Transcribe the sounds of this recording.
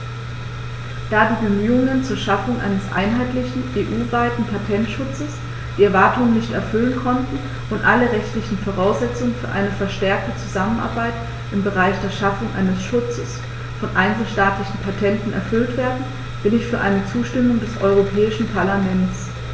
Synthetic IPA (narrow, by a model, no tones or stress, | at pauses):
d̥aːdiːbəmyːʊŋənt͡suːɐʃafʊŋʔa̰ɪnəsʔa̰ɪnɦaɪtlɪçn̩ʔeːʔuːvaɪtn̩pʰatʰɛntʃʊt͡səs | d̥iːɛɐvaɐtʊŋənɪçtɛɐfʏlənkʰɔntn̩ | ʔʊntʔalɐʁɛçtlɪçn̩foʁ̞aʊsz̥ɛt͡sʊŋənfyːɐʔa̰ɪnəfɛɐʃtɛɐk̚tət͡suzamənʔa̰ɐbaɪt | ʔɪmbəʁaɪçd̥eːɐʃafʊŋʔa̰ɪnəsʃʊt͡səs | fɔnʔaɪnt͡sl̩ʃtaːtlɪçn̩pʰatʰɛntn̩ʔɛ̰ɐfʏltv̥eːɐdn̩ | v̥ɪlɪçfyːɐʔaɪnət͡suːʃtɪmʊŋdɛsʔɔ̰ʏʁ̞opʰɛːɪʃn̩pʰaɐlamɛnts